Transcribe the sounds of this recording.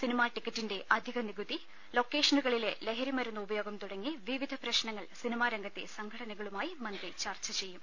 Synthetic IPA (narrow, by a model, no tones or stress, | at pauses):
sinimaːʈikːɐtːinde̞ʔɐd̪ʱiɣɐniɡut̪ði | lo̞ːkːe̞ːʂɐnuɣɐɭile̞leɦɐɾimɐɾunːɐubɐjoːɡɐmt̪uɽɐŋːiʋiʋid̪ʱɐpɾɐɕnɐŋːɐɭsinimaːɾɐŋɡɐt̪ːḛsɐŋɡʰʱɐɽɐnɐɣɐɭumaːjimɐnd̪rit͡ɕaːrt͡ɕːɐt͡ɕe̞jːum